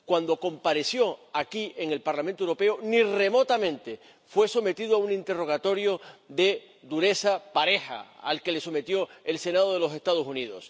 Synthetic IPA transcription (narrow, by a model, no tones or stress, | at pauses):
kwand̪o̞ko̞mpaɾe̞sjo̞akie̞ŋe̞lpaɾlamẽnt̪owɾo̞pe̞onire̞mo̞t̪amẽ̞nt̪e̞ | fwe̞so̞me̞t̪iðoaunĩnt̪e̞ro̞ɣ̞at̪o̞ɾjo̞ðe̞ | d̪uɾe̞sapaɾe̞ha̰a̰lke̞le̞so̞me̞t̪jo̞e̞lse̞nað̞oð̞elo̞se̞st̪að̞osuniðo̞̰s